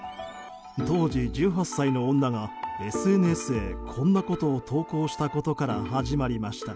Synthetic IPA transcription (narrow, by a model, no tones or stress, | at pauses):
t̪o̞ːd͡ʑid͡ʑɨːɦasːainõ̞ːnːaɡae̞sɨe̞n̟esɨe̞kʰõ̞nːako̞t̪o̞ːt̪ʰo̞ːko̞ːɕi̥t̪ako̞t̪o̞kaɾahaʑimaɾʲimaɕi̥t̪a